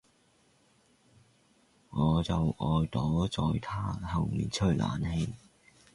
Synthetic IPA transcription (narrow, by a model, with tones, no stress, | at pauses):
ŋɔː˨˧t͡sɐ˨wʔɔː˨jt̪ɔː˨˥t͡sɔː˨jt̪ʰaː˥hɐ˨˩ŋmḭː˨˩nt͡ʃʰɵ˥lʔa̰ː˨˥nhe˧j